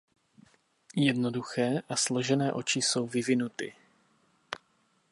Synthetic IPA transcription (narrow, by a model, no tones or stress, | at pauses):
jɛdno̞duxɛːʔaslo̞ʒɛnɛːʔo̞t͡ʃɪso̞wvɪvɪnut̪ɪ